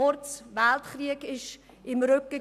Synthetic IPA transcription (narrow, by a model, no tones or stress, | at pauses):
ʊɾt͡svæltχriəkɪʃ | ɪmɾʏkə